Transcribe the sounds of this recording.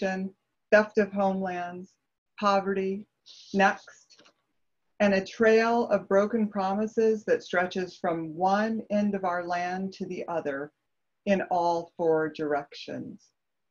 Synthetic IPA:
ɨ̃n | fɛftʌv̥ɦõʊ̃mlæ̃ndz̥ | pʰɑvə˞ɾi | nɛkst | ɨ̃nɨtʰɹ̥eɪlˠʌvbɹoʊkɨ̃n̩pʰɹ̥ɑməsɪzðɨtstɹ̥ɛt͡ʃɪz̥fɹʌ̃mwʌ̃nɛ̃ndʌvaʊə˞læ̃ntʰɨðiʔʌðə˞ | ɪ̃nɔlˠfɔɹdə˞ɛkʃɨ̰̃nz̥

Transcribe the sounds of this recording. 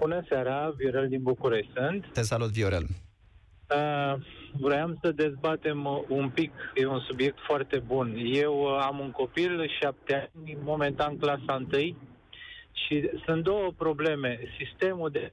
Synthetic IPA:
b̥unəsaɾavio̞ɾeld̪inbukuɾeʃt̪ʲsɨnt̪t̪esalut̪vioɾḛl | ə | vɾojamsəd̪e̞zbat̪e̞mumpikjeunsubje̞k̚t̪foart̪e̞bunje̞wamuŋko̞pilʃap̚t̪eanʲmo̞me̞nt̪anklasaɨnt̪ɨj | ʃisunt̪̚d̪o̞wəpɾo̞ble̞me̞sist̪e̞mud̪e

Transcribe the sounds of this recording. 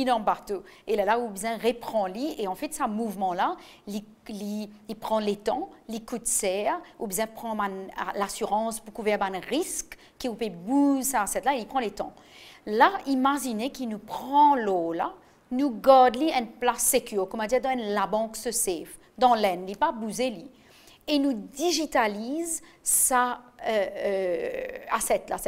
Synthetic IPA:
ilɑ̃baʁt̪uelalaubzɛ̃ʁepχɑ̃lieɑ̃fɛt̪samuvmɑ̃lali | liːpχɑ̃let̪ɑ̃likut̪sɛːʁubzjɛ̃pχɑ̃mana̰lasyʁɑ̃spukuvɛʁbãnʁisk | kːiupebuzsasɛt̪laelipχɑ̃let̪ɑ̰̃laimaʒinekinupχɑ̃lola̰ | nuɡɔʁd̪liɛ̃nplasekʲʰyːʁkɔmɑ̃d̪iɛd̪ɑ̃ɛ̃nlabɑ̃ksəsɛf | d̪ɑ̃lɛnlipabuzelɥi | enud̪iʒit̪aliz | saøø | asɛt̪la̰sɛ

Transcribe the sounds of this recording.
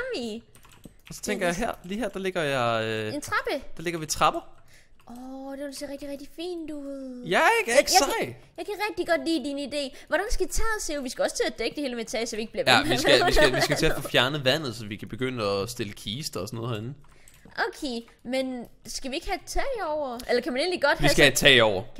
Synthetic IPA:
mi | ɒsɒ̥t͡sʰeŋɡ̥ɐjɑ̈ɦæɐ̰liːɦeɐ̰d̥ɑ̈le̝ɡ̥ɐjɑ̈ɪent͡sʰʁɑb̥əd̥ɑ̈le̝ɡ̥ɐʋit͡sʰʁɑ̈b̥ɐ | ʔɒd̥eelsiʁɛɡ̥d̥iʁɛɡ̥d̥ifḭːnd̥uðˠjæɡ̥ | jɑ̈ɪkʰæʁɛɡ̥̚d̥iɡ̥ɒ̽d̥lḭːd̥inid̥e̝̰ːʋɒɾ̥ænsɡ̥ædit͡sʰɛ̰ːðˠseʊʋisɡ̥æɒ̽st͡sʰe̝æd̥eɡ̥əd̥e̝heːləmet͡sʰɛ̰ːsɒʋie̝ɡ̥̚bliɐʋæʋæiɡæisæʋissɡ̥ʰe̝æfofjæɐnəʋæn̰ð̞̩ˠsɒ̽ʋikʰæb̥e̝ɡ̥øn̰əɒsd̥e̝ləkʰiːsd̥ɐɒsɔnoð̩ˠhɐenn̩ | ʔokʰeː | men | sɡ̥æʋie̝ɡ̥hæt͡sʰɛːɒʊ̰ɐʔelɐkʰæmæne̝ːnliɡ̥ɒ̽d̥ʋissɡ̥ææt͡sʰɛ̰ːɒʊɐ

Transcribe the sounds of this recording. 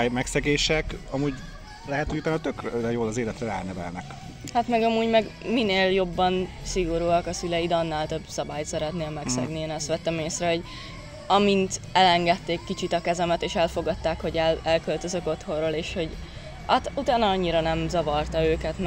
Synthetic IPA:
jmɛksɛɡeːʃɛkɒmuːɟ | lɛɦɛt̪hoɟut̪anɒt̪økrøɛjoːlɒzeːlɛt̪rɛa̰ːrnɛvɛ̰lnɛ̰k | hat̪mɛɡɒmuːɟmɛɡmineːljo̞bːɒn | siɡoɾuːɒkɒsylɛjid̪ɒnːaːlt̪øbsɒbaːjt̪sɛɾɛt̪neːlmɛksɛ̰ɡneːnɛst̪ʋɛt̪ːɛmeːsrɛɦo̞ɟ | ɒmint̪ɛlɛŋɡɛt̪ːeːkːit͡ʃit̪ɒkɛzɛmɛt̪eːʃɛlfo̞ɡɒt̪ːaːkho̞ɟɛlɛlkølt̪ø̞zøko̞t̪ho̞roːleːʃho̞ɟ | at̪ut̪aːnɒɒɲːiɾɒnɛmzɒvɒrt̪ɒøːkɛt̪m

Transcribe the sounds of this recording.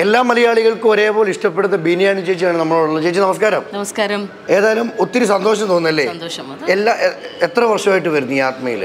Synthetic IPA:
e̞lːaːmɐlɐjaːɭiɣɐɭkɨoɾe̞ːpo̞ːliʂʈɐpːe̞ɽunːɐbiːnijaːnɨt͡ɕejit͡ɕːiaːɳɨnɐmːɐɭoɭuɭːɐt͡ɕejːt͡ɕːɨnɐmɐskaːɾɐmnɐmɐskaːɾɐm | e̞ːðaːjɐlumot̪ːiɾusɐnd̪o̞ːʂ̬ɐmt̪o̞ːnːɐlːe̞ːnd̪oːɐ | elːaʔet̪rɐʋɐrʂɐmaːjiʈːɨʋɐɾunːuijaːt̪mɐjḭl

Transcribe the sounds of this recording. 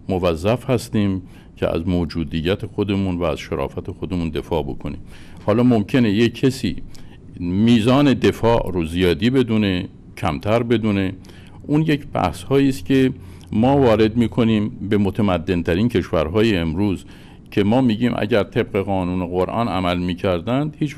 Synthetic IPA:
movæzːæfhæst̪iːm | cʰḛʔæ̰zmoːd͡ʒuːd̪ijːæt̪ʰexod̪e̞munvæ̰ːz̥ʃeɾɒ̰ːfæt̪ʰexo̞d̪e̞mund̪e̞fɒːbokʰonḭːm | hɒːlɒːmomcʰe̞ne̞jekʰːesḭː | miːzɒːne̞d̪e̞fɒːʔɾozijɒːd̪iːbe̞d̪une̞ | cʰæmt̪ʰæɾbe̞d̪une̞ | ʔuːnje̞cʰb̥æ̰hshɒːiːst̪cʲʰe̞ | mɒːvɒːɾe̞d̪miːkʰo̞niːmbemot̪ʰæmæd̪ːe̞nt̪ʰæɾiːncʰe̞ʃvæɾɦɒːjeːmɾuːz | cʰe̞mɒːmiːɟiːmʔæ̰ɟæɾt̪ʰe̞b̚ɣe̞ɣɒːnuːneɣoɾʔɒ̰ːnæmælmiːcʰæɾd̪ænd̪hiːt͡ʃ

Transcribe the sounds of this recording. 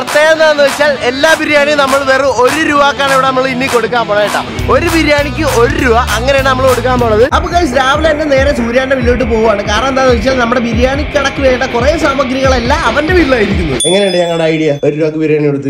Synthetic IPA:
prɐt̪ːeːɣɐɐnaːnːuʋɐt͡ɕːaːle̞lːaːbiɾjaːɳijnɐmːɐɭʋerio̞ɾuɾuʋaːkːaːɳiʋiɽe̞nɐmːɐɭinːiko̞ɽukːaːmp̪oɭɐjiʈːa̰ːmo̞ɾubiɾjaːɳikʲːɨo̞ɾuɾuʋɐʔɐŋːɐneɽenɐmːɐɭko̞ɽuk̬ːaːmd̪oːɳɐðɨɐpːɐɣasɾaːʋɐlɐndene̞ːɾɐsuːɾjaːndɐʋilojiʈ̬ːɨpo̞ːɣuʋaːɳɨkaːɾɐɳɐmnd̪aːnɨʋɐt͡ɕːaːlnɐmːuɽe̞bʱiɾjaːɳikʲːɐɽɐkːɨʋeːjɐʈːɐkureːsaːmɐɡɾiɣɐɭe̞lːaɐʋɐnde̞ʋiliɭaːjiɾikʲːunːɐðɨeŋːɐnejuɳɖeɲɐŋːɐɭɽeɐjɽijao̞ɾuɾuʋaːkːɨbiɾjaːɳijoɽut̪ːɨ

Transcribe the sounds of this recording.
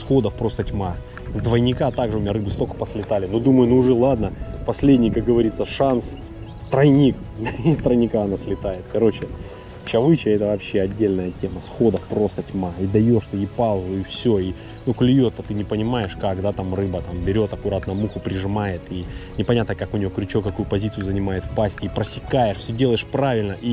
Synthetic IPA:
sxo̞d̪əfpɾo̞st̪ətʲma | zd̪vəjnʲɪkat̪aɡʐɨʊmʲɪnʲaɾɨbɨst̪okə̥pəsʲlʲɪt̪alʲɪnud̪uməjʊnuʊʐɛlˠad̪nəpɐsʲlʲedʲnʲɪjkakɡəvɐɾʲit̪sːəʂans | t̪ɾɐjnʲik̪ | isʲt̪ɾəjnʲɪkaɐnasʲlʲɪt̪ajɪt̪kɐɾo̞t͡ɕɪ | t͡ɕɐvɨt͡ɕəɛt̪əvɐpɕːe̞ɐdʲːelʲnəjətʲe̞məsxo̞d̪əfpɾo̞st̪ətʲmaid̪ɐjo̞ʂt̪əjipalˠzʊifsʲoi | nuklʲʊjo̞t̪ːət̪ɨnʲɪpənʲɪmajɪʂkakd̪at̪amrɨbət̪ambʲɪɾʲo̞t̪ɐkʊɾat̪nəmuxʊpɾʲɪʐɨmajɪt̪inʲɪpɐnʲat̪nəkakʊnʲɪvo̞kɾʲt͡ɕo̞kɐkujʊpɐzʲit̪sɨjʊzənʲɪmajɪt̪fpasʲtʲɪipɾəsʲɪkajɪʂfsʲɵdʲe̞lˠəjɪʂpɾavʲɪlʲnəʔi

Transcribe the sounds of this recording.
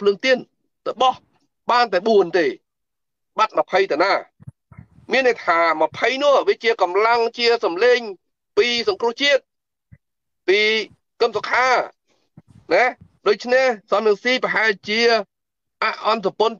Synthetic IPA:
pʰlɨəŋt̪iən | təɓɑh | ɓaːnt̪aɛɓuənt̪eː | ɓat̪̚məpʰəjt̪anaː | miənːejt̪ʰaːməpʰəjnʊ̆əʋiət͡ɕiəkɑmlaŋt͡ɕiəsɑmleːɲ | piːsɑŋkrʊ̆əht͡ɕiət̪̚ | piː | kəmsokʰaː | nɛɗoːc̚t͡ɕʰnehsɑmɛŋsiːpəɦaɛlt͡ɕiə | ʔaʔʔɑns̬apon

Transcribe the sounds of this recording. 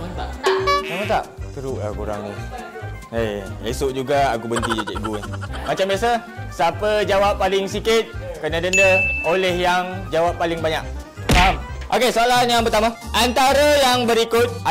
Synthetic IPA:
mat̪samat̪a̰ʔt̪əɾuʔla̰kuɾa̰ŋnḭ | eḛsʊʔ̚d͡ʒuɡaa̰ɡubənt̪id͡ʒad͡ʒaʔɡunimat͡ʃambiasa | sapəd͡ʒawapːalɪŋsikɪt̪̚kənadəndəolɛhjaŋd͡ʒawapːalɪŋbaɲak̚ | amʔokesoalanjaŋpərt̪amaʔant̪aɾəjaŋbəɾikʊt̪̚

